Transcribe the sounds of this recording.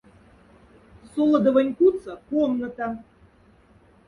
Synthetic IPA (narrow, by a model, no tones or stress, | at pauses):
solˠɤ̆d̪ə̆vɤnʲkut͡sə̆komnət̪ɑ